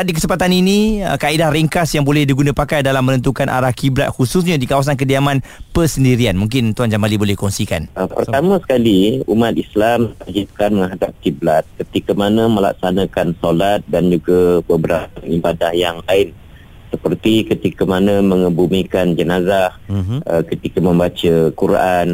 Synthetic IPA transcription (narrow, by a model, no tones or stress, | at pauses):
dikəsəmpat̪aniniəkaidahriŋkasjaŋbolɛhdiɡunãpakajdalamːənənt̪̬ukanʔa̰ɾahkibla̰t̪̚husus̬ɲadikawas̬ank̬ədiamãnpəsəndiɾianmũŋk̬ɪnt̪uand͡ʒambalibolɛhkɔŋsika̰nəpərt̪amãsə̥kaliumat̪̚islamad͡ʒip̚kanməŋɦadap̚kiblat̪̚kət̪ikamanãmə̃la̰k̚sanakansolat̪̚dand͡ʒuɡabəbəɾap̚aibadahjaŋlaɪn | səpərt̪ikət̪ikamanãmə̃ŋəbumikand͡ʒənazahʔəkət̪ikamə̃mbat͡ʃakuɾan